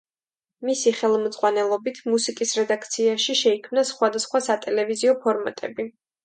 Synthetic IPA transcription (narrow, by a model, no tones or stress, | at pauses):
misiχɛlˠmd̪zʼʁwanɛlˠɔbit̪ʰmusikʼisɾɛd̪ak̚ʰt̪sʰiaʃiʃɛikʰmnasχwad̪asχwasat̪ʼɛlɛviziɔpʰɔɾma̰t̪ʼɛ̰bi